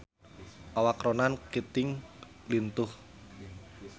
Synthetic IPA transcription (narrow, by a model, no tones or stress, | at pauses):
ʔawakɾonankit̪ɪŋ | lint̪ʊh